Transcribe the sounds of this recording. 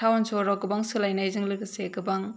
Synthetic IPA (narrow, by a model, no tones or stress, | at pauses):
tʰawnsɔɾɔkɯbaŋsɯlajnajzɯŋlɯkɯsekɯbaŋ